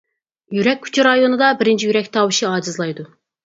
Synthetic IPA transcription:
jyɾɛk̚ʲʰːy̥t͡ʃʰiɾɑjonɨd̪ɑbɪɾɪnt͡ʃʰijyɾɛk̚ʲt̪ʰɑːwɨʃiɑːd͡ʒɨzlˠɑjd̪u

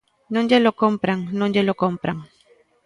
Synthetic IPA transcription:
nʊnʎalokompɾaŋnʊnʎalokompɾaŋ

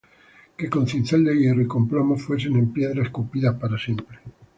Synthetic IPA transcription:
ke̞ko̞nθinθald̪eɣjeroiko̞mplomofwe̞s̬ene̞mpje̞ðɾaeskupiðapaɾasje̞mpɾe

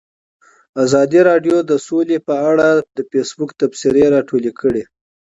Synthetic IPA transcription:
azɑd̪iɾɑɖjod̪əsolepəaɽad̪əfesbukt̪absɪɾeɾɑʈolekʰəɽe

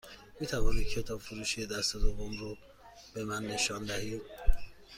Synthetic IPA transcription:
miːt̪ʰævɒːniːd̪̚cʰe̞t̪ʰɒːbfuɾuːʃijed̪æst̪ed̪ovomɾo | b̥e̞mænːe̞ʃɒːnd̪æhiːd̪̥̚

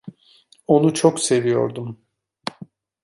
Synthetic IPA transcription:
o̞nut͡ʃʰokse̞vijo̞̰ɾd̪um

